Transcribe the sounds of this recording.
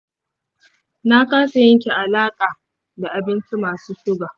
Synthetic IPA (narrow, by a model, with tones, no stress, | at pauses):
na˦kaː˦sa˨jɛ˦ŋkʲi˨ʔa˨laː˦kʼaː˨ | da˨ʔa˨bɪ˦nt͡ʃi˦maː˨suː˦ʃʊ˦ɡaː˨